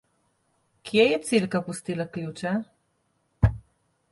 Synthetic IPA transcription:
kjɛjɛt̪silkapust̪ilaklʲjut͡ʃɛ

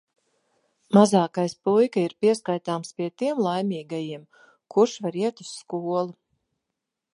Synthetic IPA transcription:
mazaːkajspujkaiɾpʲiɛskajt̪aːmspʲiɛt̪iɛmlˠajmʲiːɡajiɛm | kuɾʃvaɾiɛt̪u̥sːkuɔlˠu

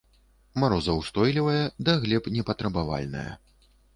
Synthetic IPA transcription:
maɾɔzɐwst̪ɔjlʲivɐjɐd̪ɐɣlʲɛpnʲɛpɐt̪ɾɐbava̰lʲnɐ̰jɐ̰

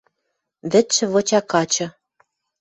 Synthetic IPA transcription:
βɘ̆t̪ʃɘ̆βot͡ɕɑkɑt͡ɕɤ̆

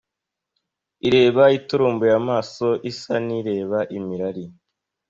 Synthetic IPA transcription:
iɾe̞ːβaituɾuːmbujamaːso̞ʔisaniɾe̞ːβaʔimiɾaɾi

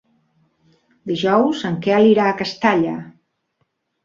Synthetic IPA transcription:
d̪iʒɔwzəŋkɛaliɾaːkəst̪aʎə

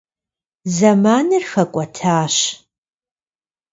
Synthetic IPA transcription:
zɐmaːnɨrxɐkʷʼɐtʰaːʃ

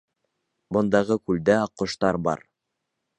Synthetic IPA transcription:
bŏnd̪ɑʁɤkʉld̪æɑqːŏʃt̪ɑɾbɑ̰ɾ

